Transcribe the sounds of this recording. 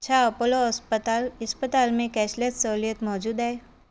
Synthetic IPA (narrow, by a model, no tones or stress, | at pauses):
ɐtʃʰaɐpoloɐspət̪aːlɐspət̪aːlmẽkɛːʃlet̪sɐɦulijət̪mɔːd͡ʒuːd̪ɦɛː